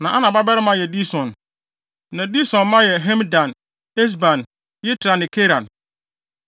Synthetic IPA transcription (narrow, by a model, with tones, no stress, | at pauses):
nã˨ʔa˦nã˨ba˦bɛ˦ɾɪ˦mã˦jɛ˨di˦sɔ̃˨n | nã˨di˦sɔ̃˨nmã˦jɛ˨ɦɛ̃˦mdã˨n | ɛ˦s̬bã˨n | jɛ˦tʰɪ˨ɾa˨nɪ̃˨kʰe˦ɾã˨n